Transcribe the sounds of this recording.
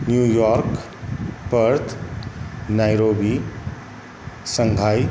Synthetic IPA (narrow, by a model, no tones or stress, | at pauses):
njuːjɔːɾk | pəɾt̪ʰ | naːjɾoːbi | sə̃ŋɡʱaːj